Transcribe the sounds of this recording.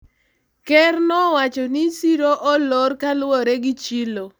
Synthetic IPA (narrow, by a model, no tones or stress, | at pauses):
kɛrnɔwat͡ʃɔnɪsiɾoʔɔlɔɾkalwɔɾeɡɪt͡ʃilo